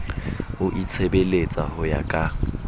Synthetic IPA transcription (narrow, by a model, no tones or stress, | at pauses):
ʊʔit͡sʰebelet͡sʼa̰hʊja̰kʼa